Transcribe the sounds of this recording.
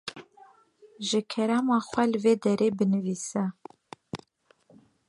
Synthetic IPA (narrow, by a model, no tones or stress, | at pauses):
ʒɨkʰɛɾæmɑːxʷɛlɨveːd̪ɛɾeːbɨnɨviːsɛ